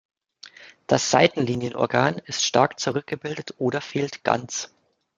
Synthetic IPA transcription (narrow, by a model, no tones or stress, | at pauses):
d̥asz̥aɪtn̩liːnjənʔɔ̰ɐɡaːnɪstʃtaɐkt͡suʁʏk̚ɡ̥əbɪldətʔoːɾɐfeːltɡ̥a̰nt͡s